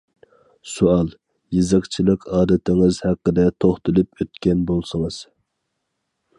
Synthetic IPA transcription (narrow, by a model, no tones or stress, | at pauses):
suɑlˠ | jizɨqt͡ʃʰilˠəqʰɑːd̪ɨt̪ʰɪŋɨzhæqːəd̪ɛt̪ʰoχt̪ɨlˠɨpøt̪kʲɛnbolˠsɨŋɨz̥